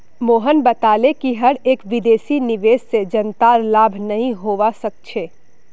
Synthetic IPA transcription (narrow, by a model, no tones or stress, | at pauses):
moːɦənbɐt̪aːlekiɦɐɽeːkʋɪd̪eːsinɪʋeːssed͡ʒənt̪aɾlaːbʱnɐɦĩɦoːʋasək̚t͡ʃʰeː